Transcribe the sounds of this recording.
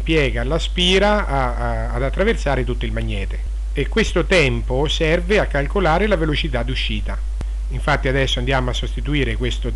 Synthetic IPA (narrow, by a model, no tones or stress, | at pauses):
pjɛːɡalaspiːɾaː | d̪at̪ːɾaversaːɾet̪ut̪ːoilmaɲːɛːt̪e | ekːwest̪ot̪ɛmposɛrveakːalkolaːɾelavelot͡ʃit̪ad̪ːuʃːiːt̪a | iɱfat̪ːiad̪ɛsːoand̪jaːmoasːost̪it̪uiːɾekwest̪o